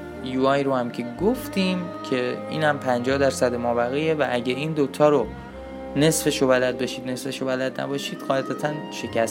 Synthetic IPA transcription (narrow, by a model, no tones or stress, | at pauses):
juɒjɾohæmcʰe̞ɡoft̪iːmcʰe̞ḭːnhæmpʰænd͡ʒɒːhd̪æɾsæd̪emɒːbæɣijevæʔæɟæɾiːnd̪ot̪ʰɒːɾo | ne̞sfe̞ʃobælæd̪̚bɒʃiːd̪ne̞sfe̞ʃobælæd̪næ̰bɒːʃiːd̪ɣɒːlæd̪æt̪ʰænʃe̞kʰæs